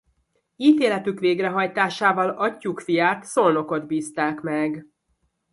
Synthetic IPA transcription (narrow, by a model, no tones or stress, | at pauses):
iːt̪eːlɛt̪ykʋeːɡrɛɦɒjt̪aːʃaːvɒlɒcːukfijaːt̪so̞lno̞ko̞d̪biːst̪aːkmɛɡ